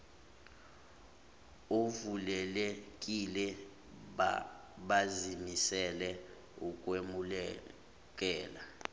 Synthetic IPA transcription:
ovulɛlɛkʼilɛ | ɓazimisɛlɛ | ukʼwemulɛ | k̬ʼɛːla

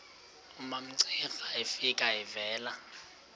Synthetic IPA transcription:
umam̩ǀiɣaifikʼaɪvɛːla

